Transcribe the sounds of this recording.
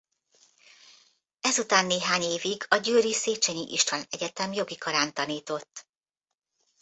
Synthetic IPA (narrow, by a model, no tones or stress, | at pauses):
ɛzut̪aːnːeːɦaːɲeːviɡɒɟøːɾiseːt͡ʃɛɲiʔiʃt̪vɒnɛɟɛt̪ɛmjo̞ɡikɒɾaːnt̪ɒniːt̪o̞t̪ː